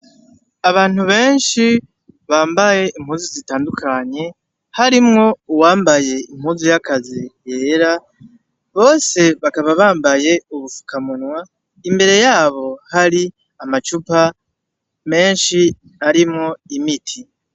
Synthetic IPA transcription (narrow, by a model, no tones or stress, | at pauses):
aβaːn̥huβe̞ːnʃi | βaːmbaje̞ʔim̥huːnzizitaːndukʰaɲe̞ | haɾimŋo̞uwaːmbaje̞imhuːnzijakazije̞ːɾa | βo̞ːse̞βakaβaβaːmbaje̞uβufu̥kamunwa | imbe̞ɾe̞jaːβo̞haɾi | amat͡ʃupa | me̞ːnʃi | aɾimŋo̞imitʰi